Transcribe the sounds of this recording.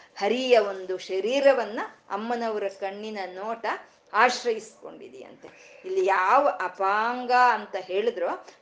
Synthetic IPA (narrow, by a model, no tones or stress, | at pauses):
hɐɾijɐo̞nd̪uʃɐɾiːɾɐʋɐnːuɐ̰mːɐnɐʋɐɾɐkɐɳːinɐnoːʈɐ | aːʃɾɐjisko̞̰ɳɖḭd̪ɛjɐ̰nt̪ḛ | ilːijaːʋɐʔɐpaːŋɡaɐnt̪ɐɦe̞ːɭid̪ɾoː